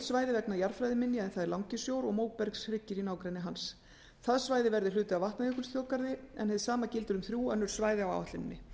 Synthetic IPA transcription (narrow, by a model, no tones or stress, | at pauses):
svaːjðɪvɛk̚najaɾfɾajðɪmɪnːɪɛɛnθaðɛɾlawŋcɪsjowɾɔɣmoːwk̚pɛɾksɾɪcːɪɾinaːwkɾejnɪɦans | θaðsvaːjðɪvɛɾðɪlʏːt̪ɪawvaht̪naikʏlst̪jowkaɾðɪɛ̰nhɛvðɪsaːmacɪlt̪ʏɾʏmθɾjuːœnːʏɾ̥svaːjðɪawa̰waht̪lɪnɪnːɪ